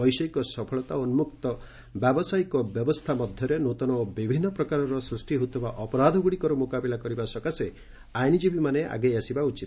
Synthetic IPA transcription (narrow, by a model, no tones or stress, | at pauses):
ɔjsɔjkɔsɔpʰɔɭɔt̪aɔnumukt̪ɔ | bjabɔsajkɔbjɔbɔst̪ʰamɔd̪ʱjɔɾenot̪ɔnɔbibʱinːɔpɾɔkaɾɔɾɔsɾusʈiɦut̪ʰɔbaʔɔpɔɾad̪ʱɔɡuɽikɔɾɔmokabilakɔɾibasɔkase | ajnid͡ʒibimanea̰ɡejasibaut͡ʃit̪